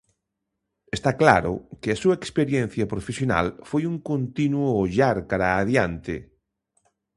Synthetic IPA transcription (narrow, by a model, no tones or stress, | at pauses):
est̪akla̰ɾʊ̰kɪasuaekspeɾjen̟θjɐpɾofesjona̰lfojuŋkont̪inwʊʎaɾkaɾaːðjant̪ɪ̰